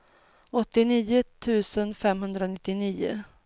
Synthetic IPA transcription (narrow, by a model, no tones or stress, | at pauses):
ɔt̪ːɪniːʊt̪ʰʉ̟ːsənfɛmɦɵnd̪ɾanɪt̪ːɪniːʊ̰